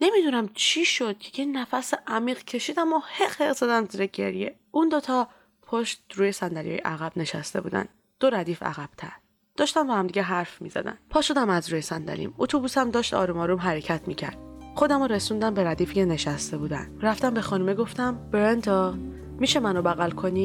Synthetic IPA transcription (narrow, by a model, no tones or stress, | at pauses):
nemid̪unæmt͡ʃʰiʃo̞d̪̥̚cʰejenæfæseʔæmiːɣcʰe̞ʃiːd̪æmoheqheɣzɒd̪æmziːɾeɟe̞̰ɾje̞̰ | ʔund̪ot̪ʰɒ | pʰoʃt̪ɾuːje̞sænd̪ælijɒ̰jḛʔæɣæb̥ne̞ʃæst̪e̞̰bṵːd̪æ̰n | d̪̥oɾæd̪iːfæ̰ɣæb̥t̪ʰæ̰ɾ | d̥̪ɒːʃt̪ænvæhæmd̪iɟeɦæɾfmḭzæ̰d̪æ̰npʰɒːʃo̞d̪æmæzɾuːjesænd̪æ̰lḭmot̪ʰobusæmd̪ɒːʃt̪ɒ̰ːɾumɒːɾumɦæɾecʰæt̪ʰmiːcʰæ̰ɾd̪̥ | xo̞d̪æmoɾesund̪æmbeɾæd̪iːficeneʃæst̪e̞buːd̪æ̰nɾæft̪æmbe̞xɒːnumeɡo̞ft̪æmbɾent̪ʰɒː | miːʃe̞mænobæɣælkʰoni